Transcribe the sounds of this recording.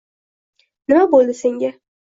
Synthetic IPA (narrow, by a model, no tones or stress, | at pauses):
nɪmabolˠd̪ɪse̞ŋɡʲa